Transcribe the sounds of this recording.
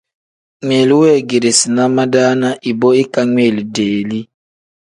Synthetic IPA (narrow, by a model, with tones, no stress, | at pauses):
ŋʷe˨li˨˦we˦˨ɡe˨ɾe˨si˨na˦ma˦daː˦na˦ʔi˨bɔ˦i˦ka˦ŋʷe˨li˨deː˨li˦